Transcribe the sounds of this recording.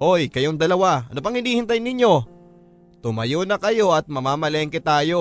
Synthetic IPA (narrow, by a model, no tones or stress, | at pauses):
ʔo̞jkɐjoŋd̪ɐlɐwaɐ̰nopɐŋhɪniːhɪnt̪̬ajnɪɲːo̞ | t̪ʊmɐjonɐkɐjo̞ʔɐt̪̚mɐmaːmɐlɛŋkɛt̪aːjo̞